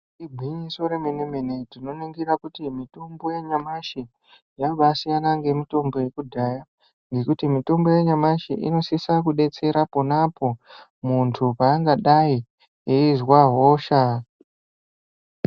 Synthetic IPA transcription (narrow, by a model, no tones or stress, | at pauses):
ibʱiɲiso̞ɾemenemenetino̞neŋɡiɾakutimito̞mbo̞je̞ɲamaʃi | jaʋasijanaŋɡe̞mito̞mbo̞je̞kudʱaːja | ŋɡe̞kutimito̞mbo̞jeɲamaʃḭʔḭno̞sisakuɗe̞t͡se̞ɾaponapo̞ | muntʰupaːŋɡaɗai | eizwaɦoːʃa